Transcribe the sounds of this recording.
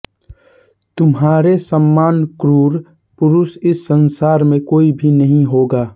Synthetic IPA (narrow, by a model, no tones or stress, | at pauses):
t̪ʊmɦaːɾesəmːaːnkɾuːɾ | pʊɾʊsɪsːənsaːɾmẽkoːibʱinəɦĩɦoːɡaː